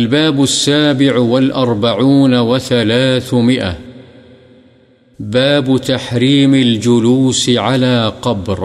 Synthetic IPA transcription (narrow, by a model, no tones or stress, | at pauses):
ʔalbaːbʊsːaːbɪʕwalʔɑɾˤbaʕuːnawaθalaːθmɪʔa̰ | baːbt̪aħɾiːmald͡ʒʊluːsʕalaːqɑbɾ